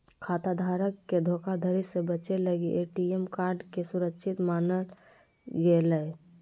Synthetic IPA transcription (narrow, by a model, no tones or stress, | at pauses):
kʰat̪ad̪ʱaɾəkːed̪ʱokʰad̪ʱəɾisẽbət͡ʃeləɡeʔeʈiemkaɾɖkesuɾəkʃʰit̪manəl | ɡeləj